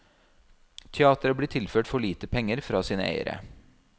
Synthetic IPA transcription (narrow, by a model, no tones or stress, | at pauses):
t̪ʰɛɑːt̪əɾəbliːt̪ʰɪlføːʈfɔɭiːt̪əpʰɛŋːəɾfɾɑːsiːnə̰ḛɪə̰ɾə̰